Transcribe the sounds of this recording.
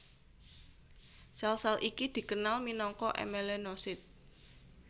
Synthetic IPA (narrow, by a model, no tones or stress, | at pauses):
salsalʔikid̪̥i̤kənalminɔŋkɔʔɛ̰melenɔsɪt̪̚